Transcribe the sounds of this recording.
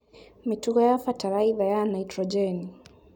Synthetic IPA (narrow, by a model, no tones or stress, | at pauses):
mituɡɔjafataɾaivajanaitɾɔd͡ʒɛni